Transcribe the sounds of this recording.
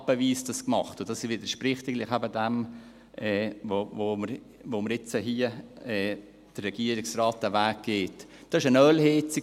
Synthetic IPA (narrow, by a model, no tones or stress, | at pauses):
b̥əviːsd̥ɑskmɑ̰χtʊdɑsivɪdəɾʃprɪχtɪɡlɪχæbədɛm | ʔɛːvovoməɾ | voːməɾɪt͡səɦiəɛː | d̥ərːɛɡ̥iːəɾɪksraːt̚d̥ævæːk̚ɡ̥eːtd̥ɑɪʃənœlhet͡si